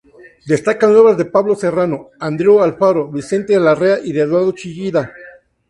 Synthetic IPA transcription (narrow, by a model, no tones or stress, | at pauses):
d̪e̞st̪akanwe̞βazðe̞paβlo̞serano̞and̪ɾeoalfaɾoβise̞nt̪eðelareaʔiðeðwaɾðot͡ʃiʝiða